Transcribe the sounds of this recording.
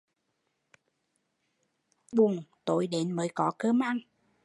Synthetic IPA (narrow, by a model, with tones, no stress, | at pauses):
ɓʊ˨˩ŋt̪o˨˦jɗe˨˦nməː˨˦jkɔ˨˦kəː˧mʔa˧n